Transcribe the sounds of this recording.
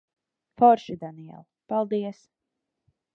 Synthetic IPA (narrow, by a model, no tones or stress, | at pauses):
fɔɾʃid̪aniɛ̰lˠpalˠd̪iɛs